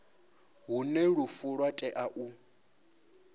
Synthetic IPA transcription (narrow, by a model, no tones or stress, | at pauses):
ɦunɛɺufuɺwatʼɛʔaʔu